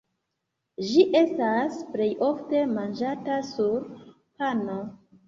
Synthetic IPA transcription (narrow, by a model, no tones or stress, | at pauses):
ʒiʔe̞stasple̞jo̞fte̞mand͡ʒatasuɾ | pano